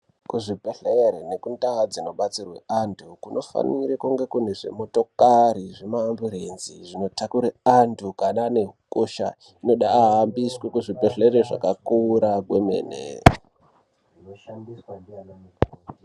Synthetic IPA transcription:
kuʐipeɬeɾene̞kundaad͡zino̞ɓat͡sirwe̞̰ʔantʰukunʔo̞fa̰nirekuŋɡe̞kune̞ʐe̞̰mo̞to̞kaɾiʐemaːmbuɾenziʐino̞takuɾeantukananeɦukoʃa̰ | ino̞ɗaːɦambiswekuʐipe̞ɬeɾeʐa̰kakuːɾaɡwe̞mḛːnḛ | ʐinoʃandiswadiananekː

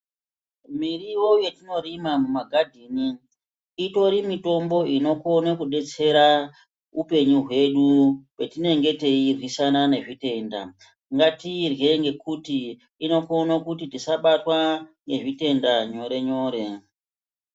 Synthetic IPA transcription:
miriwoje̞tino̞ɾimamumaɡʱadʱiːniː | to̞ɾimito̞mbo̞ino̞konekuɗe̞t͡se̞ɾa | upe̞ɲuɦwe̞ɗuwe̞tine̞ŋɡe̞te̞irwisanane̞ʐite̞nda̰ | ŋɡatirje̞ŋɡe̞kutiː | no̞konakutitisaɓatwaŋɡe̞ʐite̞ndaɲo̞ɾe̞ɲo̞ːɾe̞

